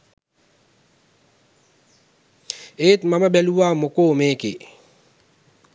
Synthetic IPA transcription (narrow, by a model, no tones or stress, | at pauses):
et̪mamabɛluwamokoːmekɪ